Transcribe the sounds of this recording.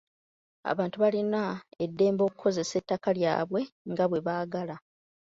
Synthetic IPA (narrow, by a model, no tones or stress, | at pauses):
a̰βaːntuβalinae̞dːe̞ːmbo̞ːkukʰo̞ze̞se̞tːakalja̰ːβwe̞ŋɡaβwe̞βaːɡala